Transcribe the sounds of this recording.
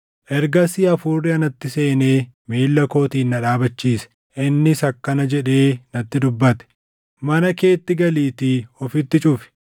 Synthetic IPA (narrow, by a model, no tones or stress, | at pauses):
ʔɛɾɡɐsɪɐfuːrːɪɐnɐt̪ːɪse̞ːneː | meːlːɐko̞ːt̪iːnːɐᶑaːbɐt͡ʃːiːsɛ̥ | ʔɪnːɪsɐkːɐnɐd͡ʒɛᶑe̞ːnɐt̪ːɪd̪ʊbːɐt̪ɛ̥ | mɐnɐke̞ːt̪ːɪɡɐliːt̪iɔfɪt̪ːɪt͡ʃʼʊfɪ̥